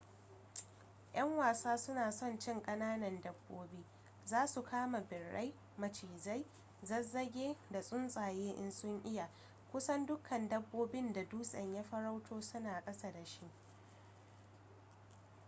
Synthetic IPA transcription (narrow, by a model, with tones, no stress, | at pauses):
j̰ʔɐ˦ŋwaː˨saː˦sʊ˦naː˨sɔ˦˨nt͡ʃɪ˦˨ŋkʼɐ˦naː˦nɐ˨ndɐ˦bːoː˦biː˦ | zaː˦su˨kʰaː˦ma˨bɪ˨rːa̰˦j | mɐ˨t͡ʃiː˨za˦j | zɐ˦zːɐ˦ɡʲeː˦da˨sʼʊ˦nsʼaː˨jeː˦ʔɪ̰˦nsʊ˦ŋʔɪ˦ja˨ | kʷʊ˦sɐ˦ndʊ˦kʰɐ˨ndɐ˦bːoː˦bɪ˦nda˨duː˦sʼɐ˨ɲjaː˦ɸɐ˦ɾa˦wtʰoː˦sʊ˦naː˨kʼɐ˦sa˨da˨ʃi˦